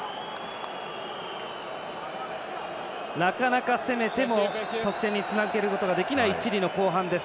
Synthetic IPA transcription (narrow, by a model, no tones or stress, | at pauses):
nakanakase̞me̞t̪e̞mo̞t̪o̞kɯ̥t̪ẽ̞ɲ̟ːit͡sɨnaɯɡe̞ɾɯ̟ko̞t̪oɡad̪e̞kʲinait͡ɕiɾʲino̞ko̞ːɦãnd̪e̞s